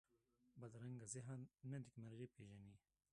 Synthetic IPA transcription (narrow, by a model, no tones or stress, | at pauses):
bɐd̪ɾɐŋɡazɪɦanɐd̪ikmaɾɣipeʒaniː